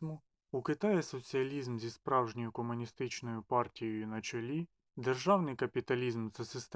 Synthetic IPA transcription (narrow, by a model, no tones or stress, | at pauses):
mʊ | ukɪt̪ɑjɛsɔt͡sʲiɐlʲizmzʲispɾɑwʒnʲɔjʊkɔmʊnʲist̪ɪt͡ʃnɔjʊpɑrtʲijɔjʊnɐt͡ʃelʲi | d̪erʒɑwnɪjkɐpʲit̪ɐlʲizmzɐsɪst̪